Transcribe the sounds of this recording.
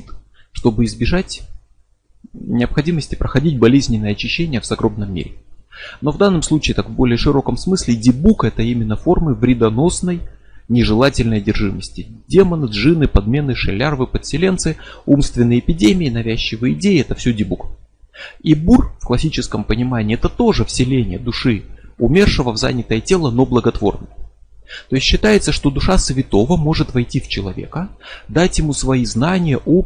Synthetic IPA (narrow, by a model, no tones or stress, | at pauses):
t̪ | ʂt̪o̞bɨɪzbʲɪʐatʲ | nʲɪəpxɐdʲiməsʲtʲɪ̥pɾəxɐdʲitʲbɐlʲezʲnʲɪnːəjəɐt͡ɕɪɕːenʲɪjəvzɐɡɾobnəmʲːḛɾʲɪno̞vd̪anːəmslˠut͡ɕiːt̪akvbo̞lʲɪjəʂɨɾo̞kəmsmɨsʲlʲɪdʲɪbukɛt̪əimʲɪnːəfo̞rmɨvɾʲɪd̪ɐno̞snəjnʲɪʐɨlˠatʲɪlʲnəjdʲɪrʐɨməsʲtʲɪdʲe̞mənɨʐɨnɨpɐd̪mʲe̞nɨʂɨlʲarvɨpət̪sʲɪlʲe̞nt̪sɨumst̪vʲɪnːəjɪpʲɪdʲemʲɪːnɐvʲæɕːɪvɨɪdʲejɪɛt̪əfsʲɵdʲɪbuk | iburfklˠɐsʲit͡ɕɪskəmpənʲɪmanʲɪːɛt̪ət̪o̞ʐɨfsʲɪlʲenʲɪ̰jəd̪ʊʂɨʊmʲe̞rʂɨvəvza̰nʲɪt̪əjətʲe̞lˠəno̞blˠəɡɐt̪vo̞̰rnəjt̪o̞ɪsʲt̪ʲɕːɪt̪ajɪt̪səʂt̪o̞d̪ʊʂasvʲɪt̪o̞vəmo̞ʐɨt̪vɐjtʲift͡ɕɪlˠɐvʲe̞̰kəd̪atʲjɪmusvɐiznanʲɪjəʔo